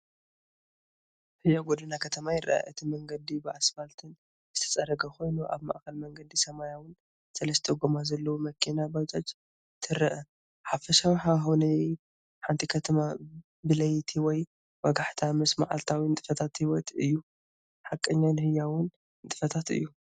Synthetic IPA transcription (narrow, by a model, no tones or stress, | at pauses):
hɨjːaɡod̪ɨnakʰɐt̪ʰɐmajɪɾʔa̰ʔa̰ʔɨt̪ʰimɐŋɡɐd̪ibɨasmalt̪ʰɨn | zɨt̪ʰɐ̥t͡sʼɐɾɐɡɐxo̞jnuʔa̰βma̰ʔkɐlmɐŋɡɐd̪isɐmajawʊn | sɐlɐst̪ʰeɛɡomazɐlːɐwumɐkʰːinabawt͡ʃ̪ʼat͡ʃ | t̪ʰɨɾɐʔɐ | ħafɐʃawħaxonɐ | ħant̪ʰʼikʰɐt̪ʰɐma | bɨlɐjt̪ʰiwɔj | wɐɡaħt̪ʰamɐsma̰ʕa̰lt̪ʰawint̪ʼɨfɐt̪ʰat̪hiwɔt̪ɨjːu | ħakʼːɐɲːawnhɨjːawʊn | t̪ʼɨfɐt̪ʰat̪ɨ̰jːu